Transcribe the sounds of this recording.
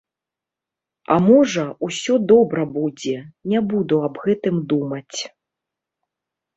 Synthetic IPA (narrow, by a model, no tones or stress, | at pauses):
a̰mɔʐɐusʲɔd̪ɔbɾɐbud͡zʲɛnʲabud̪uɐbɣɛt̪ɨmd̪umɐt͡sʲ